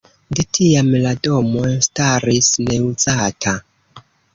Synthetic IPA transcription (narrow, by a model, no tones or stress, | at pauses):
detʰiamlado̞mo̞nstaɾisne̞ud͡zatʰa